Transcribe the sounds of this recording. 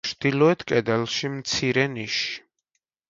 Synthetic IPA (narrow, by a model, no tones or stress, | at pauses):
d̪̥ilɔɛt̪ʰkʼɛd̪ɛlˠʃimt̪sʰiɾɛniʃi̥